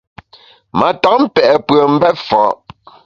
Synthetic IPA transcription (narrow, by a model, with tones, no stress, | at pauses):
ma˨tɔ˨˦m̩˦pɛ˨ʔɛ˨pɰə˨m̩˦bɛ˦tfɔ˨˦ʔ